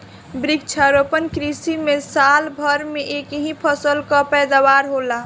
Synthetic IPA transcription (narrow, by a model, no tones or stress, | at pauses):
bɾik̚t͡ʃʰaɾopənkɾisimẽsaːlbʱəɾmẽʔeːkɦĩpʰəsəlkapɛːd̪awaːɾɦoːla